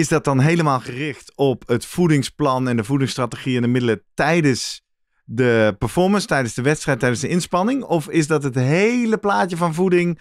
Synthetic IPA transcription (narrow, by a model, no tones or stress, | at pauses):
ɪzdɑt̚dɑnɦejləmaːlˠχərɪχtɔpətfudɪŋsplɑnɛndəvudɪŋstraːtəχiɪndəmɪdələtɛjdəs | dəpəɹfɔɹmənstɛjdənzdəʋɛtstrɛjtːɛjdəndəɪnspɑnɪŋɔfɪzdɑtɦətɦejləplaːtəvɑnvudɪŋ